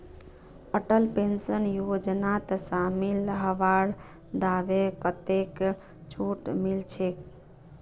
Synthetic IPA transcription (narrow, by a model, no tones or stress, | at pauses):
əʈəlpensənjod͡ʒnat̪samiləɦəʋaɽ | d̪aʋekət̪ek | t͡ʃʰuʈmilt͡ʃʰek